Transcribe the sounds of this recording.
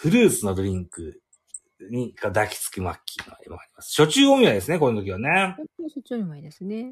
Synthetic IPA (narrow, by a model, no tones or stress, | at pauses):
ɸɯ̟ɾɯːsɨno̞d̪oɾʲĩŋkɯ̟ | ɲ̟ikod̪akʲi̥t͡sɨ̥kɯ̟makʲʰːino̰ḛmo̰aɾʲimasɨ̥ɕo̞t͡ɕɨːõɰ̃jad̪e̞sɨne̞ko̞inot̪okʲiβane̞oɕot͡ɕoɲʲimaid̪esɨne